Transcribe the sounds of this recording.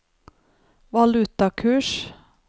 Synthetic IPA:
ʋɑlʉt̪ɑkʰʉːʂ

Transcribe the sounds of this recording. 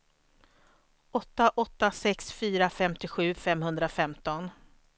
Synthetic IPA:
ɔt̪ːaʔɔt̪ːasɛksfyːɾafɛmt̪ɪɧʉ̟ːfɛmhɵnd̪ɾafɛmt̪ɔn

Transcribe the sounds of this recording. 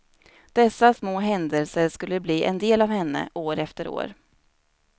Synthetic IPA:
d̪̥ɛsːasmoːɦɛnd̪əlsəɾʂkɵlːəbliːʔɛnd̪eːlavhɛnːə̰ʔoːɾɛft̪əɾo̰ːɾ

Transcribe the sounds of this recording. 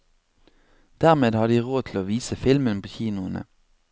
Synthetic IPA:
d̪̥æʁmeːd̪hɑd̪d̪iːʁoːt̪ʰl̩oːʋiːsəfɪlmənpʰoːçiːnʊənə̰

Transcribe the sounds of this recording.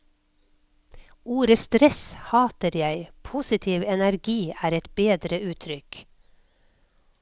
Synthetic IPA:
uːɾəst̪ɾɛshɑːt̪əɾjæɪpʰusɪt̪ʰiːʋɛnæɾɡiːʔæːɾɛt̪beːd̪ɾəʉːt̪ʰɾʏk

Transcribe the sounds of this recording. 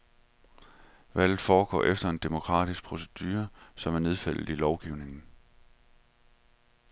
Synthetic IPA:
ʋæl̰ð̩ˠfɒːɡ̥ɒ̰ːʔefd̥ɐe̝nd̥e̝mo̝kʰʁɑ̰̈d̥isɡ̥̚pʰʁo̝se̝d̥yːɐsɒ̽mæɐne̝ð̞ˠfæl̰ð̩ˠilɒʊɡ̥iʊne̝ŋn̩

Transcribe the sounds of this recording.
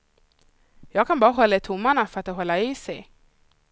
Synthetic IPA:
jɑːɡkʰanbɑːɾaɦɔlːaɪt̪ʰʊmːaɳafœɾat̪̚ːoɦɔlːaiːsɛj

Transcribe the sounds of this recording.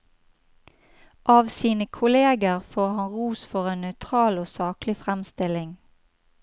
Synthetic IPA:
ʔɑːʋsiːnəkʰʊleːɡəʁfoːʁhɑnʁuːsfɔʁeːnœʏt̪ʰʁɑːloːsɑːklɪfʁɛmst̪ɪlɪŋ

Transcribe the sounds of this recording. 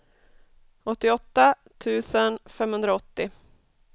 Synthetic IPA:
ɔt̪ːɪɔt̪ːat̪ʰʉ̟ːsənfɛmːhɵnd̪ɾaɔt̪ːɪ

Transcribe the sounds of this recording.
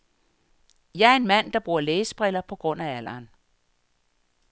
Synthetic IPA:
jɑ̈æɐe̝nmæn̰d̥ɑ̈b̥ʁuɐleːsb̥ʁɛlɐpʰɒ̽ɡ̥ʁɔ̽n̰ææl̰ɐːn

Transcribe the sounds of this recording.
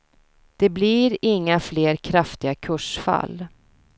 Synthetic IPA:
d̪̥ɛbliɾɪŋːafleːɾkʰɾaft̪ɪɡakʰɵʂfa̰lː

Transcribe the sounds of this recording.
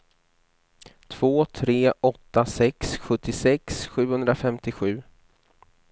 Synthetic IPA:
t̪ʰv̥oːt̪ʰɾeːʔɔt̪ːasɛksɧɵt̪ːɪsɛksɧʉ̟ːhɵnd̪ɾafɛmt̪ɪɧʉ̟ː

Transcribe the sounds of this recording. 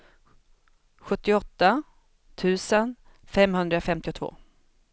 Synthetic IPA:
ɧɵt̪ːɪɔt̪ːa | t̪ʰʉ̟ːsənfɛmhɵnd̪ɾafɛmt̪ɪʊt̪ʰvo̰ː

